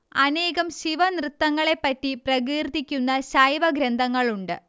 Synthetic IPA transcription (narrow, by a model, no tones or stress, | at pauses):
ɐne̞ːɣɐmɕiʋɐnrɨt̪ːɐŋːɐɭe̞pːɐtːiprɐɣiːrt̪ːikʲːunːɐɕɐjʋɐɡɾɐnd̪ʱɐŋːɐɭuɳɖɨ̰